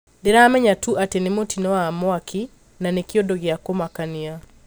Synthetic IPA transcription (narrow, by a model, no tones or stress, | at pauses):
ndeɾamɛɲatuʔatenemotinɔwamwaki | nanekjodɔɣjakomakania